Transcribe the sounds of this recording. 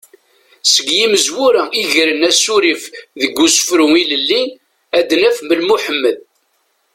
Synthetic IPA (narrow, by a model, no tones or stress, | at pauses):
səɡjiməzwuɾæiʝɾənæsuɾifðəɡːusə̥fɾuiləlːin | æd̪næfməlmuħəmːəð